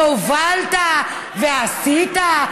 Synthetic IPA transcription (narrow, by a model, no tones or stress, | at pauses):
ovalta | vɛasita